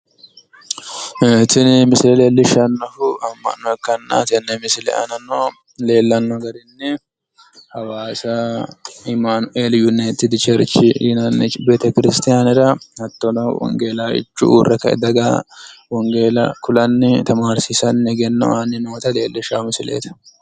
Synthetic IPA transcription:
et̪ɪnmɪsɪlɛle̞ːlːɪʃɐnːɔfʊɐmːɐ̰nːɔɛkːɐnːa̰t̪ɪɛnːɛmɪsɪlɛ̰ʔɐ̰nɐnːɔ | le̞ːlːɐnːɔɡɐɾɪnːɛ | hɐwaːsɐ | ɪmanʊʔeːljʊnet̪ːɪd̪ɪt͡ʃɛɾt͡ʃːɪinɐnːɛbeːt̪ɛkɪɾɪst̪ɪjanɪɾɐhɐt̪ːɔnɐwɔ̰ŋɡeːlaːɪ̰t͡ʃːʊ̰ṵːrːɛkːɐɛ̰d̪ɐɡɐwɔŋɡeːlɐkʊlɐnːɪt̪ɐmaːɾsɪsɐnːɛɡɛnːɔ̰anɪnoːt̪ɐle̞ːlːɪʃamɪsɪlḛːt̪ɐ̥

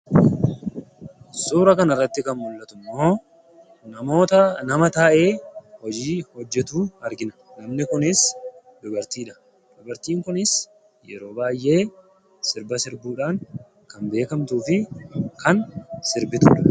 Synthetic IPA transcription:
suːɾɐkɐnɐrːɐt̪ːɪkɐnmʊlːɐt̪ʊmːo̞ː | nɐmoːt̪ɐnɐmɐt̪aːʔe̞ːhɔd͡ʒiːhɔd͡ʒːɛt̪uːɐɾɡɪnɐ̥nɐmnɪkʊnɪs | d̪ɔbɐɾt̪iːᶑɐ̥ | d̪̥ɔbɐɾt̪iːŋkʊnɪs | jɛ̰ɾo̞ːbaːjʔe̞ː | sɪɾbɐsɪɾbuːᶑaːŋ | kɐmbe̞ːkɐmt̪uːfɪkɐnsɪɾbɪt̪ʊᶑɐ̥

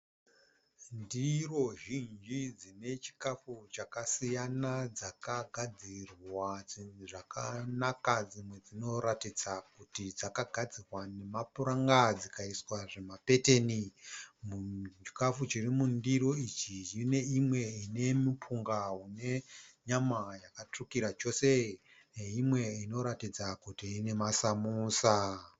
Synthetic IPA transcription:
ndiro̞ʒind͡ʒid͡zine̞t͡ʃi̥kafut͡ʃakasijanad͡zakaɡʱad͡zirwaʐakanakad͡zimwe̞d͡zino̞ɾatid͡zakutid͡zakaɡʱad͡zirwane̞mapuɾaŋɡad͡zikaiswaʐemape̞te̞nimui̥kafut͡ʃirimundiɾo̞it͡ʃijine̞imwe̞ine̞mipʰuŋɡaɦune̞ɲamajakatrukiɾat͡ʃo̞se̞ | neimwe̞ino̞ɾatid͡zakutiːne̞masamuːsa

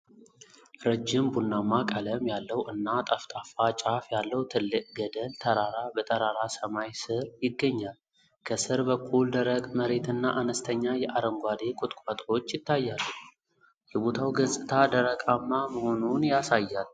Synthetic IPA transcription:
ɾəd͡ʒːɪmbunːamakʼələmjalːəwʔɨnːat̪ʼaft̪ʼafat͡ʃʼafjalːəwt̪ʰɨlːɨkʼɡəd̪əlt̪ʰəɾaɾabət̪ʼəɾaɾasəmajsɨɾjɪɡːəɲːal | kʰəsɨɾbəkʰːuld̪əɾəkʼməɾe̞t̪ɨnːaʔanəst̪ʰəɲːajɛʔaɾəŋɡʷad̪e̞kʼʊt̪ʼkʼat̪ʼo̞t͡ʃːjɪt̪ːajːalːuh | jɛbo̞t̪ʰawɡəzʼɨt̪ʰad̪əɾəkʼamːaməho̞nunjasajːal

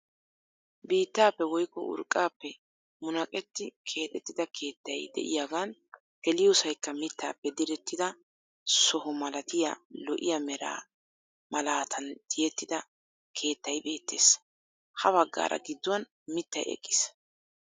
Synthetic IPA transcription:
biːt̪ːaːpːɛwɔjkːɔ̰ʔʊ̰ɾkʼːaːpːɛ | mʊnɐkʼɛt̪ːɪkʰe̞ːt̪ʼɛt̪ːɪd̪ɐkʰe̞ːt̪ːɐjd̪ɛ̰ʔɪ̰jaɡaːn | ɡɛlɪjɔsɐjkːɐmɪt̪ːaːpːɛd̪ɪɾɛt̪ːɪd̪ɐ | sɔhʊmɐlɐt̪ɪjɐ̰lɔʔɪjɐmɛɾa̰ː | mɐlaːt̪ʰɐnd̪̥ɪjɛt̪ːɪd̪ɐ | kʰe̞ːt̪ːɐjbe̞ːt̪ːe̞̰ːs | hɐbɐɡːa̰ːɾɐ̰ɡɪd̪ːɔwɐn | mɪt̪ːɐ̰jɛ̰kʼːɪ̥s

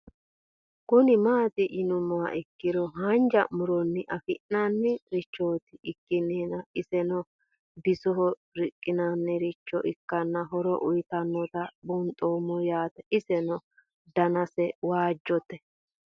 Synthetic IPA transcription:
kʊnɪmaːt̪ɪʔɪnʊmɔwa̰ʔɪkːɪɾɔɦand͡ʒɐmʊɾɔnːɪʔɐfɪʔnanːɪɾɪt͡ʃːoːt̪ɪʔɪkːɪneːnɐɪsɛnɔ | b̪ɪsɔɦɔɾɪkʼːɪnanːɛɾɪt͡ʃːɔʔɪkːɐnːɐɦɔɾɔʔʊjt̪ɐnːɔt̪ɐbʊnt̪ʼoːmɔjaːt̪ɛʔɪsɛnɔ | d̪ɐnɐsɛwaːd͡ʒːɔt̪ɛ

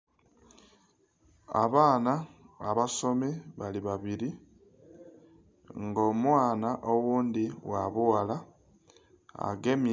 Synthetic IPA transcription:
a̰βaːnaːβaso̞meβaliβaβiɾi | ŋɡo̞mwaːnaʔo̞wuːndiwaβuwala | a̰ɡe̞m

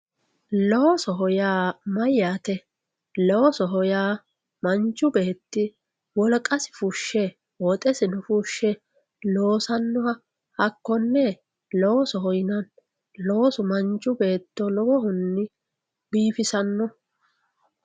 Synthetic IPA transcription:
lɔwɔsɔɦɔjaːmɐjːaːt̪ɛ | lɔwɔsɔɦɔjaː | mɐnt͡ʃʼːʊbe̞ːt̪ːɪ | wɔlkʼɐsɪ̥fʊʃːɛ | wɔt̪ʼɛsɪnʊfuʃːɛ | lo̞ːsɐnːɔhɐ | ɐkːɔnːɛ | lɔwɔsɔɦɔjnɐn | lowɔsʊmɐnt͡ʃːʊbe̞ːt̪ːɔlɔwɔhʊnːɪ | biːfɪsɐnːɔ

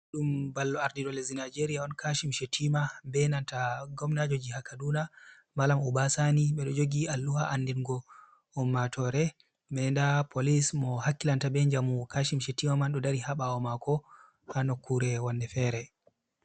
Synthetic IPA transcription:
ɗumbalːɔaɾdiɗɔlɛzinad͡ʒeɾiaɔnkʰaʃimʃetʰimabɛnantaɡɔmnad͡ʒod͡ʒihakːaduna | malamubasaniɓɛɗɔd͡ʒoɡialːuhaʔandɛnɡɔ | ɔmːatʰɔɾɛ | mɛndapʰolismɔhakːilantabɛɲd͡ʒamukʰaʃimʃetimamanɗɔdaɾihaɓaɔmakɔ | hanɔkʰːuɾɛwanːɛfɛɾɛ

